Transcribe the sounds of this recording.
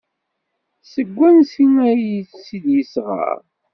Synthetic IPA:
səɡʷːænsinæjiθsid̪jəsʁa̰ɾ

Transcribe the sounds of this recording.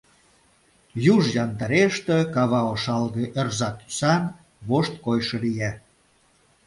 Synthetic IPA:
juʒjɑnt̪ɑɾeʃt̪ĕkɑβɑoʃɑlɣeʔerzɑt̪ːy̥sɑn | βoʃt̪̚kojʃɤ̆lijæ

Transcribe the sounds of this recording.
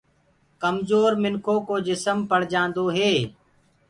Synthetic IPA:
kəmzoːɾmɪnkʰoːkoːd͡ʒɪsəmpəɽ̤d͡ʒãːnd̪oːɦeː

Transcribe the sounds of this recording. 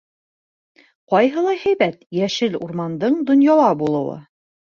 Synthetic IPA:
qɒjɦɤ̆lˠɑjhæjbæt̪jæʃɘluɾmɑnd̪ɤɴd̪ŏnjɑwɑbulˠɤ̰̆wɤ̰

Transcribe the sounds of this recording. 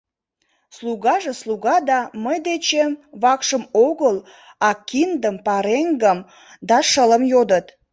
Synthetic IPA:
sluɣɑʒesluɣɑd̪ɑməjd̪et͡ɕeβɑkʃəmoɣəl | ɑkind̪əmpɑɾeŋɡəm | d̪ɑʃələmjod̪ət̪

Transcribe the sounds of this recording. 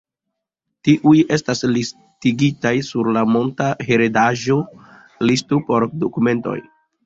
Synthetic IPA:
tiʔuje̞staslis | tiɡitajsuɾlamo̞ntaɦe̞ɾedaʒo̞ | listopo̞ɾdokume̞nto̞̰j

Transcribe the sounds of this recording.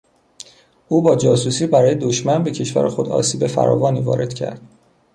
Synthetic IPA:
uːbɒːd͡ʒɒːsuːsiːbæɾɒːje̞d̪oʃmænbe̞cʰe̞ʃvæ̰ɾexo̞d̪ɒ̰ːsiːbe̞fæ̰ɾɒ̰ːvɒːniːvɒ̰ːɾe̞d̪̥cʰæ̰ɾd̪̥

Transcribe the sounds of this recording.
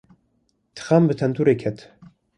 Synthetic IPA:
t̪ʰɨ̥xambɨt̪ʰɐnt̪ʰuɾekʰɛt̪

